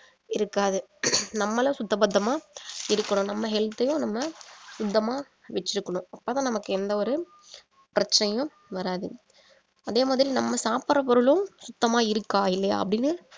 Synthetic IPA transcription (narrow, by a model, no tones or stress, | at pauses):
ɪɾɯkːaːðɯnɐmːɐlɐ̃sʊt̪ːɐbɐd̪ːɐmaːɪɾɯkːɐɳʊ̃nɐmːɐɦɛlt̪ːɐjʊ̃nɐmːɐsʊd̪ːɐmaː | ʋɛt͡ʃːɪɾɯkːɐɳʊ̃ɐpːoːt̪ãːnɐmɐkːɯɛnd̪ɐɔɾɯ | pɪɾɐt͡ʃːɐnɐjʊ̃ | ʋɐɾaːðɯ | ɐðeːmaːðɪɾinɐmːɐsaːpɐɾɐp̬ɔɾɯlʊ̃sʊt̪ːɐmaːɪɾɯkːaːɪlːɐja̰ːɐ̰pːɐɽɪnːɯ